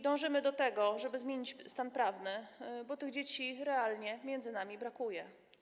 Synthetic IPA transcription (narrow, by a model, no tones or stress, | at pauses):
d̪ɔ̃w̃ʐɘmɘd̪ɔt̪ɛɡɔʐɛbɘzmʲjeɲit͡ɕst̪anpɾavnɘbɔt̪ɘɣd͡ʑet͡ɕiɾɛalɲɛmʲjɛnd̪zɘnamʲibɾakujɛ